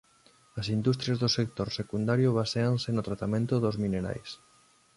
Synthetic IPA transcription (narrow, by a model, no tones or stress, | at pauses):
ɐsind̪ust̪ɾjazðosek̚t̪oɾsekund̪aɾjoβ̞aseaŋsenot̪ɾat̪amẽnt̪ʊðozmineɾa̰js